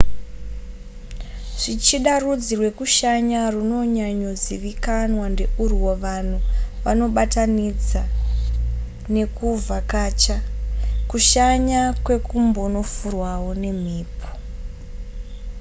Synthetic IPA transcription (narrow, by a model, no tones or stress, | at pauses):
ʐ̥it͡ʃiɗarud͡zirwe̞kuʃaɲaruno̞ɲaɲo̞ziʋikanwande̞uriwoʋan̤uʋano̞ɓatanid͡za | ne̞kuvakaːt͡ʃakuʃaɲakwe̞kumbono̞furwawone̞m̤iːpʰo̥